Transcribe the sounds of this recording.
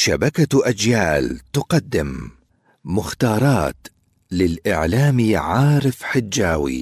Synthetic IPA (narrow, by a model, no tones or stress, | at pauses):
ʃabakaʔad͡ʒjaːlt̪ʊqɑd̪ːɪmː | ʊxt̪ɑːɾˤɑːt̪ | lɪlʔɪ̰ʕlaːmiʕaːɾɪfħɪd͡ʒːaːwḭ